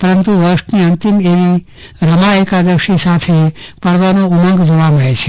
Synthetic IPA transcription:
pəɾənt̪uʋəɾʃniənt̪imeʋi | ɾəmaekad̪əʃisat̪ʰepəɽʋanoumə̃ŋɡd͡ʒoʋaməɭet͡ʃʰe

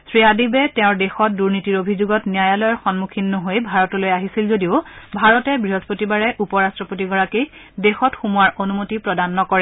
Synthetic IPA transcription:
sɹiadibɛtɛ̃ʊ̃ɹdexɔt̚duɹnitiɹobʱizuɡɔtnijajalɔjɔɹxɔnmukʰinːoɦojbʱaɹɔtolojaɦisilzodiʊbʱaɹɔtɛbɹiɦozpotibaɹɛʔupɔɹastɹɔpot̬iɡɔɹakij | dexɔtxumuaɹʔonumotipɹɔdanːɔkɔɹɛ

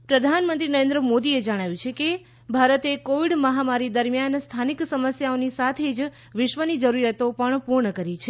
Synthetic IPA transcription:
pɾəd̪ʱanmənt̪ɾinəɾend̪ɾəmod̪ied͡ʒəɽ̃aʋjũt͡ʃʰeke | bʱaɾət̪ekoʋiɽməɦamaɾid̪əɾmjanst̪ʰaniksəməsjaonisat̪ʰed͡ʒ | ʋɪʃʋənid͡ʒəɾuɾjət̪opəɳpuɾɳəkəɾit͡ʃʰe

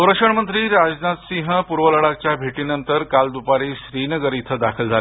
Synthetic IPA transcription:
səwɾəkʂəɳmənt̪ɾiːɾad͡ʑnat̪sĩŋɦpuɾʋələɽak̚t͡ɕjabʱeʈiːnənt̪əɾkald̪upaɾiːɕɾinəɡəɾit̪ʰəd̪akʰəld͡zʱale

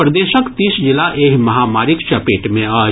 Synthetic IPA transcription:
pɾɐd̪eːʃəkt̪iːsd͡ʒɪlaʔeːɦmɐɦaːmaːɾɪkt͡ʃɐpeːʈmẽaː

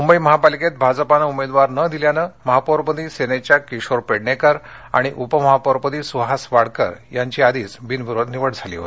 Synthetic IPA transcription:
mumbəiməɦapaliket̪̚bʱad͡zəpanəumed̪ʋaɾnəd̪iljanəməɦapəɾpəd̪iːsenet͡ɕjakiɕoɾpeɽɳekəɾ | a̰ɽ̃iʔupəməɦapəɾpəd̪isuɦasʋaɽ̤kə̰ɾjaɲt͡ɕiːad̪iːt͡sbinʋiɾod̪ʱniʋəɽd͡zʱalḭɦo̰t̪i̥

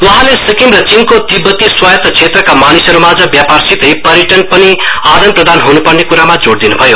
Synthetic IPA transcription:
uɦãlesikimrʌt͡sinkot̪ibʱːʌt̪iswajt̪t͡sʰet̪rʌkamanisʌɾumad͡zʌbjaparsit̪ʌjpʌɾjiʈʌnpʌniad̪ʌnprʌd̪anɦunupʌrnekuɾamad͡zoɽd̪inubʱʌjo

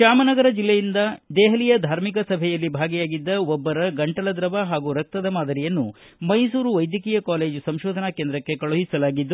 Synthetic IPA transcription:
ʃaːmɐnɐɡɐɾɐd͡ʒilːejind̪ɐd̪ɛːɦɐlijɐd̪ʱaːɾmik̬ɐsɐbʱɛjɐlːibʱaːɡɛjaːɡid̪ːɐɔbːɐɾɐɡɐɳʈɐlɐd̪ɾɐbaɦaːɡuɾɐk̚t̪ɐd̪ɐmaːd̪ɐɾijɐnːu | mɐjsuːɾuʋɐjd̪jɐkiːjɐkaːle̞ːd͡ʒusɐmʃoːd̪ʱɐnaːkeːnd̪ɾɐkːe̞kɐɭuɦisɐlaːɡid̪ːu

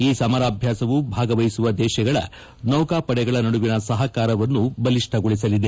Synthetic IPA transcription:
iːsɐmɐɾaːbʱjaːsɐʋubʱaːɡɐʋɐjsuʋɐd̪ɛːʃɐɡɐɭɐ̰ | nɐwkaːpɐɽɛɡɐɭɐnɐɽuʋinɐsɐɦɐkaːɾɐʋɐnːubɐliʂʈʰɐɡoɭisɐlid̪e̞

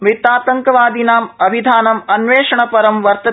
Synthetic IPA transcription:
mit̪aːt̪ɐŋkɐʋaːd̪inaːmɐbʱid̪ʱaːnɐmɐnʋeːʃɐɳ̃ɐpɐɾɐmʋɐɾt̪ɐ

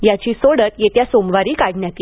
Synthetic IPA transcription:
jat͡ɕiːsoɽət̪jet̪jasomʋaɾiːkaɽɳjak̪i

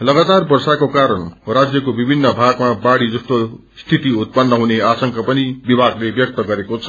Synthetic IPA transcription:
lʌɡat̪arbʌrsakokaɾʌnrad͡zjʌkobibʱinːʌbʱaɡmabaɽid͡zʌst̪o | st̪ʰit̪iut̪̚pʌnːʌɦuneasʌŋkapʌnibibʱaɡlebjʌk̚t̪ʌɡʌɾekot͡sʰʌ̥

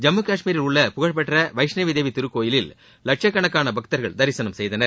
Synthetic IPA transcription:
d͡ʒɐmːɯkaːʂmiːɾɪlʊɭːɐpʊɣɐɭpɛʈrɐʋɐɪʂnɐʋiðeːʋit̪ɪɾɯkːoːjɪlɪl | lɐʈ̚ʂɐkːɐɳɐkːaːnɐbɐk̚t̪ɐɾɣɐɭd̪ɐɾɪsɐnɐmsɛjðɐnɐɾ

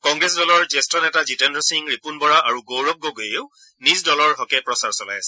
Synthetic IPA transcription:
kɔ̃ŋɡɹɛs̬dɔlɔɹzɛstɔnɛtazitɛndɔsiŋɹipunbɔɹaʔaɹuɡowɹɔk̚ɡɔɡojeʊ | nisdɔlɔɹɦɔkɛpɹɔsaɹsɔla̰jasɛ̥

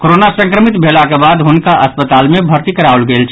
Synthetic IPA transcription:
koɾonasə̃ŋkɾəmit̪bʱelakebad̪ɦʊnkaʔəspət̪aːlmebʱəɾt̪ikəɾaolɡelt͡ʃʰ

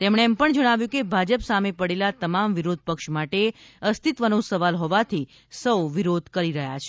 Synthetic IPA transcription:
t̪ɛmɽeɛmpəɳd͡ʒəɽ̃aʋjũkebʱad͡ʒəpsamepəɽelat̪əmamʋiɾod̪̚ʱpəkʃmaʈeəst̪ʰit̪ʋənũsəʋalɦɔʋat̪ʰi | səwʋiɾod̪ʱkəɾiɾəɦjat͡ʃʰe

